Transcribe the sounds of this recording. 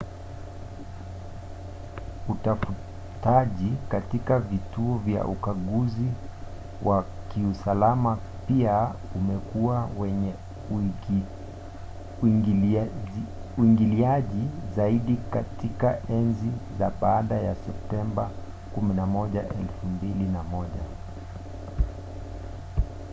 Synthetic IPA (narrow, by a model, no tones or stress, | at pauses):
utafu | taʄikatikavituɔvja̰ʔukaɠuzi | wa | kiusalama | piaumɛkuawɛɲɛ | uiŋɡiliaʄizaiɗikatikaʔɛnzizaɓaːɗaja̰sɛp̚tɛmba | kuminamɔʄaʔɛlfumbilinamɔʄa̰